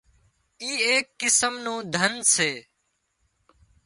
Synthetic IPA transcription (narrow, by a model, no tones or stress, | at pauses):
iːeːkːɪsəmnõːd̪ʱənseː